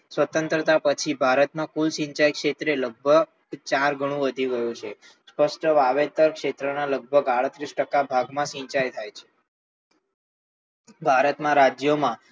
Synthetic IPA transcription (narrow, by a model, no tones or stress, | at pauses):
sʋət̪ənt̪ɾət̪apət͡ʃʰibʱaɾət̪mãkulʃĩɲt͡ʃajkʃet̪ɾeləɡ̚bʱə | t͡ʃaɾɡʱəɽ̃ũʋəd̪ʱiɡəjũt͡ʃʰe | spəsʈəʋaʋet̪əɾkʃet̪ɾənaləɡ̚bʱəɡaɽət̪ɾisʈəkabʱaɡmãʃĩɲt͡ʃajt̪ʰajt͡ʃʰe̥ | bʱaɾət̪mãɾad͡ʒjomã